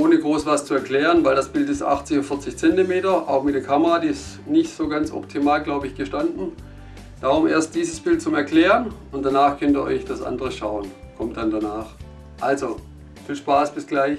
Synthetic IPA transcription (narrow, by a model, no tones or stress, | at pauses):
ʔoːnəɡʁoːsv̥ast͡suɛɐkl̥ɛːʁənvaɪldasb̥ɪltɪstʔa̰χt͡sɪçofɪɐt͡sɪçt͡sɛntimeːtɐʔa̰ʊxmɪt̚d̥eːɐkʰaməʁadiːɪstnɪçtz̥oːɡant͡sʔɔ̰p̚tʰimaːlɡlaʊbəɪçɡ̥əʃtandn̩ | d̥aʁʊmʔḛːɐst̚d̥iːzəsb̥ɪlt̚t͡sʊmɛɐkl̥ɛːʁən | ʊntd̥anaːχkʰœntiːɐʔɔ̰ʏçd̥asʔa̰ndəʁəʃaʊənkʰɔmt̚d̥andanaːχ | ʔalzo | fiːlʃpaːsb̥ɪsɡ̥laɪç